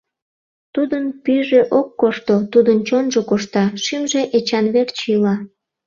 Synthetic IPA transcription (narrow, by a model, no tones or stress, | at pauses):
t̪ud̪ənpyʒeʔokːoʃt̪ot̪ud̪ənt͡ɕonʒokoʃt̪ɑʃimʒeʔet͡ɕɑnβert͡ɕilɑ